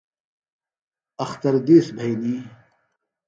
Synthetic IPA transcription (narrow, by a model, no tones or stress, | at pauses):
ɐxt̪ɐɾd̪eːsbʱɐjliː